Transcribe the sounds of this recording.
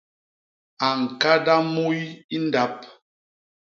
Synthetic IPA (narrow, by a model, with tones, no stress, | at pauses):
a˨ŋ̩˨ka˦da˦mu˦ji˦nda˦p̚